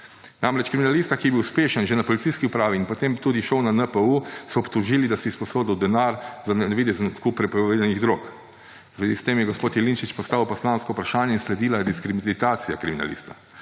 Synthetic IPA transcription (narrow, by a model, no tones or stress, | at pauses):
namɾɛt͡ʃkɾiminaliːst̪akijɛbiwspeːʃənʒɛnapɔlit̪ijskiupɾaːʋiːnpɔt̪eːmt̪uːd̪iʃɔwnanəpəusɔːpt̪uʒiːlid̪asispɔsoːd̪iwd̪ɛnaːɾzannɛʋiːd̪ɛznɔt̪kupɾɛpɔʋeːd̪aniɣd̪ɾoːk | zʋeːzist̪eːmjɛɡɔspoːt̪jɛlinʃit͡ʃpɔst̪aːwpɔslaːnskɔupɾaʃaːnjɛinslɛd̪iːlajɛd̪iskɾimit̪aːt̪sijakɾimina̰lḭːst̪a